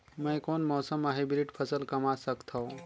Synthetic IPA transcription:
mə̃koːnmɔːsəmaɦibɪlɪʈpʰəsəlkɐmasəkt̪ʰoː

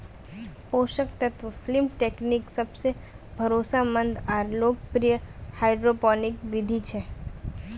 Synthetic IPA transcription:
poʃək̚t̪ət̪ʰʋflimʈekniksəbse | bʱəɾosamə̃nd̪aɾlok̚pɾijəhaɪɖɾopɔnikʋɪd̪ʱit͡ʃʰe

